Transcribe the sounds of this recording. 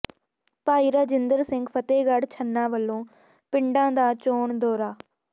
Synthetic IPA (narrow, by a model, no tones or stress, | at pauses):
paːiːɾaːd͡ʒɪnd̪əɾsɪŋɡpʰət̪eːɡəɽt͡ʃʰənːãːʋəlːõː | pɪɳɖãːd̪aːt͡ʃoːɳd̪oːɾaː